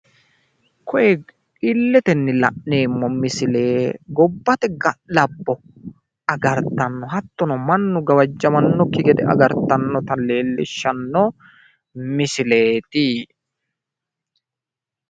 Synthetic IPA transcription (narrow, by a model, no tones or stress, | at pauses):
kɔʔɛ | ɪlːɛt̪ɛnːɪlɐ̰ʔne̞ːmːɔmɪsɪle̞ːɡɔbːɐt̪ɛɡɐlɐbːɔ | ʔɐɡɐɾt̪ɐnːɔɦɐt̪ːɔnɔmɐnːʊɡɐwɐd͡ʒːɐmɐnːɔkɪɡɛd̪ɛɐ̰ɡɐɾt̪ɐnːɔt̪ɐleːlːɪʃːɐnːɔ | mɪsɪle̞ːt̪iː